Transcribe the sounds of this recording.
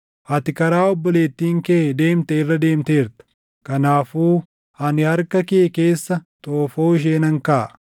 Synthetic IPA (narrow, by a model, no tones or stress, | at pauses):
hɐt̪ɪkɐɾaːɔbːɔle̞ːt̪ːiːŋked̪e̞ːmt̪ɛɪrːɐd̪e̞ːmt̪e̞ːɾt̪ɐ̥ | kɐnaːfuː | hɐnɪhɐɾkɐkɪʔɛke̞ːsːɐt̪ʼoːfoːɪʃ̬e̞ːnɐŋkɐʔ